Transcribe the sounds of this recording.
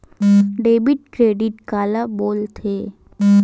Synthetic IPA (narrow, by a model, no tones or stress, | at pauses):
ɖeːbɪʈ̚kɾeːɖɪʈkaːlaboːlt̪ʰeː